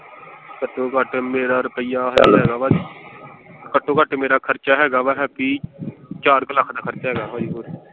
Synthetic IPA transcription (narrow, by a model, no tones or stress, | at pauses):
kəʈːõːkəʈmeːɾaːɾʊpɪjaːɦəd͡ʒ̰ɛːɡaːʋa | kəʈːoːkəʈmeːɾaːkʰəɾt͡ʃaːɦɛːɡaːʋaːɦɛːpiːt͡ʃaːɾkəlakʰd̪aːkʰəɾt͡ʃaːɦɛːɡaːɦaːikuːɾ